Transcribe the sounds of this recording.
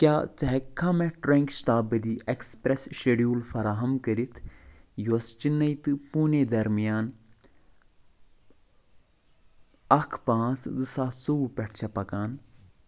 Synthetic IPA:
kjaːt͡sɐɦekʰːãmɛ̃ʈɾẽŋkʃʈ̪aːbɐd̪iːʔekspɾesʃeɖjuːlfɐɾaːɦɐmkəɾit̪ʰjoːst͡ʃinːɐit̪ɨpuːned̪ɐɾmijaːn | ɐkʰpãːt͡szɨsaːt̪soupʲɛʈʰt͡ʃʰɐpɐkaːn

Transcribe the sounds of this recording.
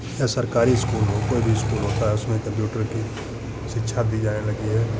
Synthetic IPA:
jasɐɾkaːɾiɪskuːlɦokoːibʱiɪskuːlɦoːt̪aɦɛʊsmẽkɐ̃mpjuːʈəɾki | ʃɪtːʃʰad̪iːd͡ʒaːnelɐɡiɦɛː

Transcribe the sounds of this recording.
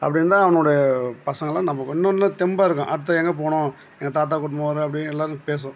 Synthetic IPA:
ɐ̰pːɐɽɪnːɾaːɐʋɐnoːɽɐjɐpɐsɐŋɡɐlãːnɐmːɐkɔnːɐnlãːt̪ɛmbaːɪɾɯkːʊ̰̃ʔɐɽɯt̪̬ːɐɛŋɡɐp̬oːɳʊ̃ | ɛŋɡɐt̪aːt̪̬aːkɔʈːɯmɐʋaːɾɯɐpːɐɽɪnɛlːaːɾɯpeːs̬ʊ̃

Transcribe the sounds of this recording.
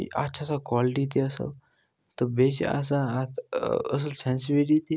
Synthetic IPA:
a̰tːɕʰasakɔliʈit̪̬iəsə̰l | t̪əbeɕḛa̰saːt̪ə̰s̬əlsɛ̃nsibiʈit̪i

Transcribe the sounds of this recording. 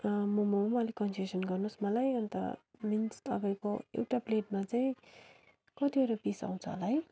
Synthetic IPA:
mʌmumʌlikʌnsesʌnɡʌrnusmʌlajʌnt̪ʌ̰minsʌ̰ɡʌjkoḛwʈapleʈ̚mat͡saĩ | kʌt̪iʌɾopisa̰w̃t͡sʰʌɦlaɦʌj

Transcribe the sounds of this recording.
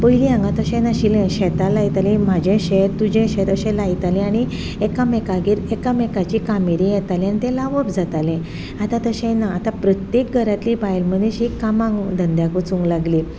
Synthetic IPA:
pəiliãŋɡãt̪əɕẽnaɕilẽɕɛt̪alait̪alĩm̤ad͡ʑẽɕeɾt̪ud͡ʑẽɕẽt̪əɕɛ̃lajt̪alĩañi | ekamekaɡiːɾekamɛkat͡ɕiːkamiɾijɛt̪alĩanit̪ẽlaʋəpd͡zat̪alẽ | at̪ãt̪əɕẽnaːt̪apɾət̪jek̚ɡʱəɾat̪liːbajlmənẽɕikamãŋɡd̪ʱənd̪jakot͡suŋɡlaɡli

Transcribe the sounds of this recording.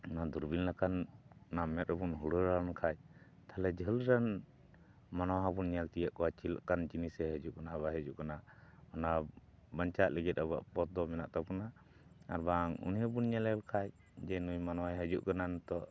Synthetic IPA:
ɔnad̪uɾbinlakanɔnamɛt̪̚əbunɦuɽəɾaɔnkʰac̚ | t̪ʰalɛd͡ʒʱəlɾan | manɔwaɦabunɲalt̪ijaʔkɔwat͡ʃil̰ʔkand͡ʒinisɛɦəd͡ʒuʔkanaβaɦəd͡ʒuʔkanaɔna | baɲt͡ʃat̪̚lɛɡɛt̪̚aβa̰ʔpɔt̪̚d̪ɔmɛnaʔt̪apuna | a̰ɾbaŋṵnjɛbunɲɛlɛlkʰac̚ | d͡ʒɛnujmanɔwaɛɦəd͡ʒṵʔkanant̪ɔʔ

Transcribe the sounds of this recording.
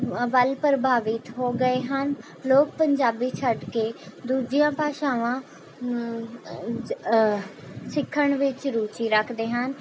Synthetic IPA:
bəlpɾəbʱaːʋɪt̪ɦoːɡəeːɦən | loːk̚pəɲd͡ʒaːbiːt͡ʃʰəɖkeːd̪uːd͡ʒijãːpaːʃãːʋãː | sɪkʰːəɳʋɪt͡ʃɾuːt͡ʃiːɾəkʰd̪eːɦən

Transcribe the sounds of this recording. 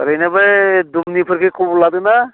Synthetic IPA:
ɾəjnabajd̪umnipʰəɾkʰekʰubulad̪ɯna

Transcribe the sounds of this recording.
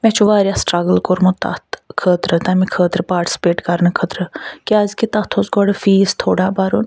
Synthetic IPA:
mɛ̃t͡ʃʰuʋaːɾjasʈɾɐɡəlkoɾmut̪a̰t̪kʰəːt̪ɾət̪aːmĩkʰəːt̪ɾəpaːɾʈi̥si̥peːʈkɐɾnəkʰət̪ɾəkaːzkit̪at̪ʰosɡɔːɽəfiːst̪ʰoːɽaːbaːɾoːn

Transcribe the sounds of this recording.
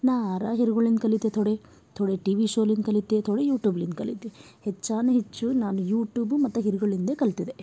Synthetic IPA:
naːaɾaːɦiɾuɡɐɭind̪kɐlit̪ːet̪ʰɔɽe | t̪ʰoɽeʈiːʋiʃoːlind̪kɐlit̪ːet̪ʰoɽejuːʈjuːblind̪kɐlːit̪ːehɛt͡ʃːaːneɦet͡ʃːunaːnujuːʈjuːbumɐt̪ːuɦiɾuɡɐɭind̪ekɐlt̪id̪e

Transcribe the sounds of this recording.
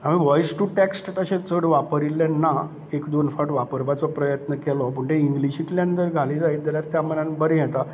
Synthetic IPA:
am̤iʋɔjsʈuʈeksʈt̪əɕẽt͡səɽʋapəɾilenːa | ekd̪onfaʈʋapəɾʋat͡sɔpɾəjət̪nəkɛlɔpuɳʈ̪ẽiŋɡliɕit̪ljant̪əɾɡʱalid͡zait̪d̪eljaɾt̪jam̤ənanbəɾẽjɛt̪a

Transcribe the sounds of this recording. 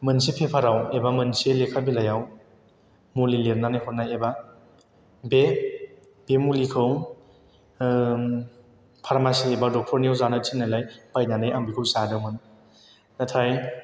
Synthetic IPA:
mɯnsipʰepʰaɾawebamɯnselekʰabilajaw | mulilep̚nanajɦɔnajeba | be | b̥emulikʰɯw | pʰaɾmasiebadɔk̚tʰɔɾniwzanatʰinajlajbajnanajaŋbikʰɯwsadɯmɯn | natʰaj

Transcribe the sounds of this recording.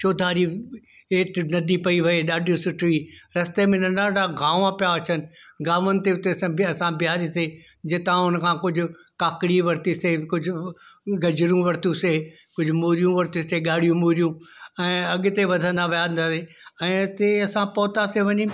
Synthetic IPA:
t͡ʃoːd̪ʱaːɾi | eːʈnɐd̪ʱipɐiʋɐeɗaːɖʱijũsʊʈʰʋiɾɐst̪emẽnɐ̃nd̪aːɖaɡaːʋãpijaɐt͡ɕʰənɪ̆ɡãːʋənɪ̆t̪eʊt̪esãɐsãbjaːɾiseː | d͡ʑɪt̪ãʊnəkʰãːkʊd͡ʑʱʊ̆ | kaːkɽiʋɐɾt̪iseːkʊd͡ʑʱʊɡɐd͡ʑɪɾũʋɐɾt̪ũseː | kʊd͡ʑʱʊmuːɾijũʋɐɾt̪ĩseːɠaːɽ̤ijũmuːɾijũɛ̃ːɐɠɪt̪eʋɐd̪ʱə̃nd̪aʋɐjaːnd̪aːse | ɛ̃ːt̪eɐsãpɔːt̪aseʋɐɲi

